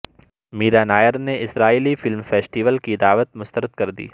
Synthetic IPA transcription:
miːɾaːnaːjəɾneɪsɾaːiːlifɪlmfɛːsʈiʋəlkid̪aːʋət̪mʊst̪əɾəd̪kɐɾd̪ḭː

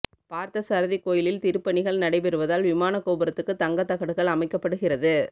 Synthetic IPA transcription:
paːɾt̪ɐsaːɾɐðikːoːjɪlɪlt̪ɪɾɯpːɐɳɪɣɐɭnɐɽɐɪpɛɾɯʋɐðaːlʋɪmaːnɐkːoːbɯɾɐt̪ːɯkːɯt̪ɐŋɡɐt̪ːɐɣɐɽɯɣɐɭɐmɐɪkːɐpːɐɽɯɣɪrɐðɯ

